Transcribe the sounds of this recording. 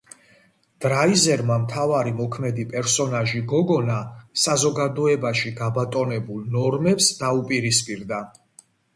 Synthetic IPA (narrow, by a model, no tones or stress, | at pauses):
d̪̥ɾaizɛɾmamt̪ʰavaɾimɔkʰmɛd̪ipʼɛɾsɔnaʒiɡɔɡɔnasazɔɡad̪ɔɛbaʃiɡabat̪ʼɔnɛbulˠnɔɾmɛpsd̪̥aupʼiɾispʼiɾd̪a